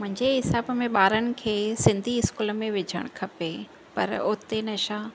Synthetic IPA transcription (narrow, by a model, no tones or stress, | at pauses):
mʊ̃ɦɪ̃ɲd͡ʑeɦɪsaːbmẽɓaːɾənɪ̆kʰeːsɪ̃nd̪ʱiɪskuːləmẽʋɪd͡ʑʱə̰ɽ̃kʰɐpe | pɐ̰ɾoːt̪enɐʃaː